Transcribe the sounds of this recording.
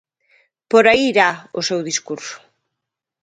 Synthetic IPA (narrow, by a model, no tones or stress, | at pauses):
poɾaiɾao̰sewðiskuɾsʊ̥